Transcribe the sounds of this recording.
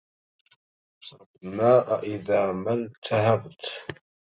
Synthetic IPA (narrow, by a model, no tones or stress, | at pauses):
sɑbnaːʔaʔɪðaːmalt̪ʰahabt̪